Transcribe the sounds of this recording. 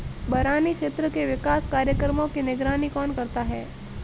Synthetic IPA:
bɐɾaːnikʃeːt̪ɾəkeʋɪkaːskaːɾjəkɾəmõkinɪɡɾaːnikɔːnkɐɾt̪aɦɛː

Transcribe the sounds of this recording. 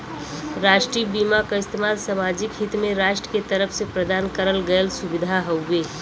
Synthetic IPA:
ɾaːʃʈɾiːbiːmakaɪst̪ʰemaːlsamaːd͡ʒɪkɦɪt̪mẽɾaːʃʈɾəket̪əɾəfʰsepɾəd̪aːnkəɾəlɡəəlsʊbɪd̪ʱaɦəwbeː

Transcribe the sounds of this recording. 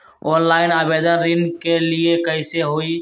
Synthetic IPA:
oːnlaːɪnəbed̪ənɾinkeliekəɪseɦoi

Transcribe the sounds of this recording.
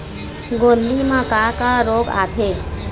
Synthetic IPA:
ɡond̪imãkakaɾoːɡa̰t̪ʰe

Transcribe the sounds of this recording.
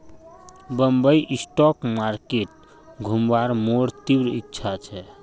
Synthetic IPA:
bəmbəjʔisʈɔkmaɾkeʈ | ɡʱumbaɾmoɾt̪iwɾḭkːt͡ʃʰat͡ʃʰɛ

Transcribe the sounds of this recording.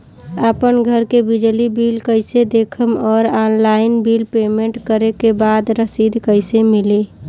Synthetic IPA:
apənɡʱəɾkebid͡ʒlibilkəɪsed̪ekʰəmɔːɾaːnlaɪnbilpeːmẽɳʈkəɾekebaːd̪ɾəsid̪ʱkəɪsemili

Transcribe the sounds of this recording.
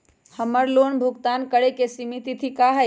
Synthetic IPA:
həməɾlonbʱuɡt̪ankəɽekesimit̪it̪ʰikaɦə

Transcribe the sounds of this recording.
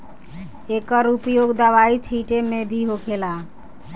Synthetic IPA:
ekəɾupjoɡd̪əʋait͡ʃʰiʈemebʱiɦokʰela

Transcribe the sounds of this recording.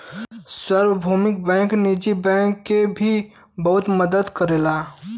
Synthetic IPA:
swɐɾwəbʱuːmɪk̚bɛ̃ːŋknid͡ʒibɛ̃ːŋkːebʱi | bɐɦʊt̪məd̪əd̪kəɾeːlaː

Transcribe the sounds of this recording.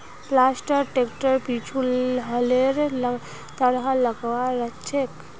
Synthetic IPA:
plasʈəɾʈekʈəɾpit͡ʃʰulɦəleɾ | t̪əɾɦãləɡʋaɾət͡ʃʰek

